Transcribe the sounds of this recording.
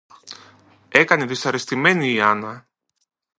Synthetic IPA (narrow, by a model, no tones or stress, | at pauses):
e̞kɐneðisɐɾest̪ime̞niːɐnɐ